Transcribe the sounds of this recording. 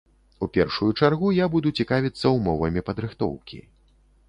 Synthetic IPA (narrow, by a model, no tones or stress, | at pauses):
upʲɛrʂujut͡ʂarɣujabud̪ut͡sʲikavʲit̪sːɐwmɔvɐmʲipɐd̪ɾɨxt̪ɔ̰wkʲḭ